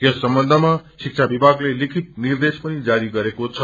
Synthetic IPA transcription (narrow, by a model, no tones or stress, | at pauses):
jʌsːʌmbʌnd̪ʱəmasik̚t͡sʰabibʱaɡlelikʰit̪̚nird̪espʌnid͡zaɾiɡʌɾekot͡sʰʌ